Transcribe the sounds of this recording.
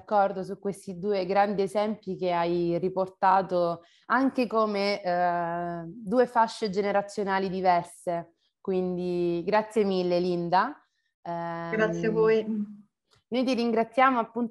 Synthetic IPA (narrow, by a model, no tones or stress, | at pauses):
kːɔrd̪osukːwest̪id̪uːeɡɾand̪iezɛmpjikeajriport̪aːt̪o | aŋkekome | d̪uːefaʃːed͡ʒeneɾat̪sːjonaːlid̪ivɛrse | kwind̪iɡɾat̪sːjemilːelind̪a | ɡɾat̪sːjeavoj | nojt̪̬iɾiŋɡɾat̪sːjaːmoapːunt̪